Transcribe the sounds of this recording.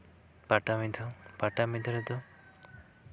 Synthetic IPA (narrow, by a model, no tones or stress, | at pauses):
paʈamid̪ʱɔpaʈamid̪ʱɔɾɛd̪ɔ